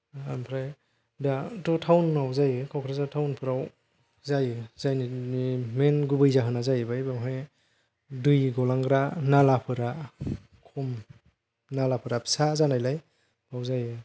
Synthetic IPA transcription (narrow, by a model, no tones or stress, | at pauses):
a̰mpʰɾaj | datɔtʰawnmawzajɯkʰawkʰɾazatʰawnpʰɯɾaw | zajɯzajniimenɡubɯjzaɦɯnazajɯbajbaŋɦɯj | dɯjɡɔlaŋɡɾanalapʰɯɾa | kʰɔm | nalapʰɯɾapʰsazanajlaj | bawzajɯ